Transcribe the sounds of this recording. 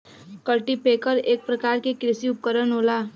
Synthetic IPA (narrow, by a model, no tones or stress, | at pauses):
kəʈipeːkəɾeːk̚pɾəkaːɾkekɾɪsiʊp̚kəɾənɦoːlaː